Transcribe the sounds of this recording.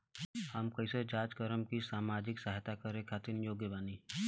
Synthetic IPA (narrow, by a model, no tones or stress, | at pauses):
həmkəɪsed͡ʒaːd͡ʒkəɾəmkisaːmaːd͡ʒɪksəɦt̪akəɾẽkʰaːt̪ɪnjoːɡjəbaːniː